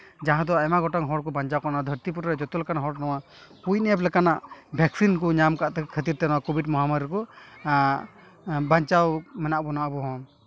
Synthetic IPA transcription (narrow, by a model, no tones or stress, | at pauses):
d͡ʒaɦãd̪ɔajmaɡɔʈaŋɦɔɽkɔbaɲt͡ʃawkanad̪ʱəɾt̪ip̬uɾɾɛd͡ʒɔt̪ɔlɛkanaɦɔɽnɔwa | puj̚nɛɛplɛkanaʔbʱɛksink̬ɔɲamkaʔt̪ɛkʰət̪iɾt̪ɛnɔwakɔbʱidmɔɦamaɾikɔ | baɲt͡ʃawmɛnaʔbɔnaʔbɔɦɔŋ